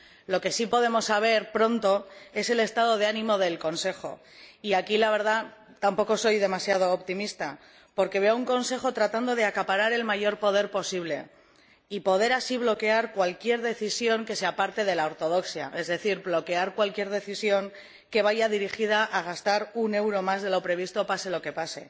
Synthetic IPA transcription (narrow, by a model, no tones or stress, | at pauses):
lo̞ke̞sipo̞ð̞e̞mo̞saβ̞e̞ɾpɾo̞nt̪o̞e̞se̞le̞st̪að̞o̞ðe̞anĩmo̞ðe̞lko̞nse̞xo̞̰ | iakilaβe̞ɾða | t̪ampo̞ko̞so̞jðe̞masjað̞o̞ːpt̪imist̪a | po̞ɾke̞βe̞ouŋko̞nse̞xo̞t̪ɾat̪and̪o̞ð̞e̞akapaɾaɾe̞lmaʝo̞ɾpo̞ðe̞ɾpo̞siβle̞ | ipo̞ð̞e̞ɾasiβlo̞ke̞aɾkwalkje̞ɾðe̞θisjo̞ŋke̞seapaɾt̪e̞ð̞e̞lao̞ɾt̪o̞ð̞o̞ksja̰ʔe̞zðe̞θiɾblo̞ke̞aɾkwalkje̞ɾð̞e̞θisjo̞ŋ | ke̞β̞aʝaðiɾixið̞aʔːɣ̞ast̪aɾune̞wɾo̞mazðe̞lo̞pɾe̞β̞ist̪o̞pase̞lo̞ke̞pase̞